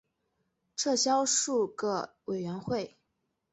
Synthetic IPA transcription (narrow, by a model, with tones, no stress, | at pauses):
ʈ͡ʂʰɤ˥˩ɕjɑ˥ʊʂu˥˩ɡə˩ | we˨˩ɪɥɛ˧˥nxwe˥˩ɪ